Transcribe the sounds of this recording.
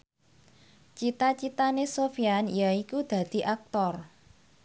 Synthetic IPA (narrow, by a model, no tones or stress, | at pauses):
t͡ʃit̪at͡ʃit̪anesofijanjaikud̪̥a̤d̪̥i̤ʔak̚t̪ɔr